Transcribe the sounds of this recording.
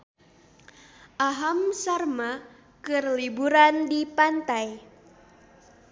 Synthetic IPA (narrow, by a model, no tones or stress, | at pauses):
ʔaɦamsarma | kɨrlibuɾandipant̪aj